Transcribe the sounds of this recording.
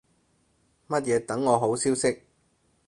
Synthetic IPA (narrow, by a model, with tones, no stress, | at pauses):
mɐ˥t̚jɛː˨˧t̪ɐ˨˥ŋːɔː˨˧ɦo˨˥wsiː˥wsɪ˥k̚